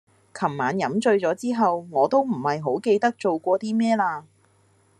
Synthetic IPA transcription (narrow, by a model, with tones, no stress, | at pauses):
kʰɐ˨˩mːaː˨˥njɐ˨˥mt͡ʃɵ˧ɥt͡sɔː˨˥t͡siː˥ɦɐ˨wŋɔː˨˧t̪o˥wm̩˨˩hɐ˨jɦo˨˥wke˧jt̪ɐ˥k̚t͡ʃo˨wkʷɔː˧t̪iː˥mɛː˥laː˧